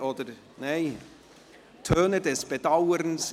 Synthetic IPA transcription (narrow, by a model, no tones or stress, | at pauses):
oːdəɾ | neɪ | tʰøːnədɛsb̥ədaʊəɾns